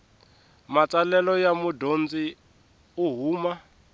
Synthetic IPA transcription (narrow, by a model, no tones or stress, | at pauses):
mat͡sʼalɛlɔjamudond͡zi | uɦuːma